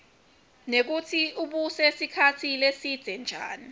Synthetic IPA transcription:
nek̬utʰiuɓusesikʰatʰilesid̥z̥ʱɛnd͡ʒʱaːni

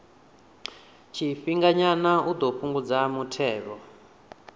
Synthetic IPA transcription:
t͡ʃʰiɸiŋɡaɲanaud̪ɔɸuŋɡud͡zamutʰɛːβɔ

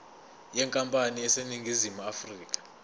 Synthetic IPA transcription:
jɛŋkʼampʼanijɛseniŋɡʱizimuafriːkʼḁ

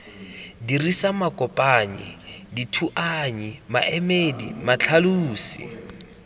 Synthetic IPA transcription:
dirisamakʼɔpʼaɲḭditʰuʔaɲima̰ʔɛmedḭmat͡ɬʰaluːsḭ

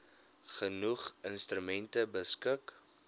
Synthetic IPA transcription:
χənuχənstrymɛntəbəskək

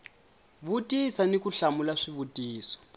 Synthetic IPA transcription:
βutʼisanikuɬamulaʂiβutʼiːsɔ̥

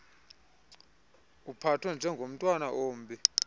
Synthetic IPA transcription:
upʰatʰwɛnd͡ʒʱɛŋɡʱom̩tʼwanaʔoːmbi

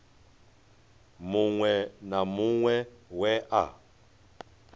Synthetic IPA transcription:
muŋwɛnamuŋwɛwɛʔa̰

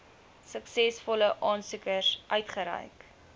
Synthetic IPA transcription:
səksɛsfɔləʔɑːnsukəsʔœɥtχəɾɛ̰jk

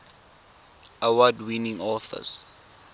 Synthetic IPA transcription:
awadwinĩŋɔθə̰s

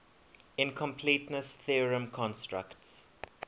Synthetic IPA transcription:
ɪ̃nkʰɔ̃mpʰliːtnəsθiɹə̃mkʰɔ̃nstɹə̰kts

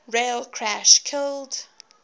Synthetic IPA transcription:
ɹeɪlˠkʰɹ̥æʃkʰɪlˠd

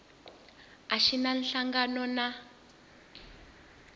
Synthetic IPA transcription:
aʃinanɬaŋɡanɔna

